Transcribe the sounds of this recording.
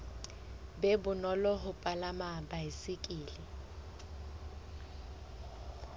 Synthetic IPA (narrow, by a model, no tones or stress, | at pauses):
bɛbʊnɔlɔɦʊpʼalamabaɪsɪkʼiːlɪ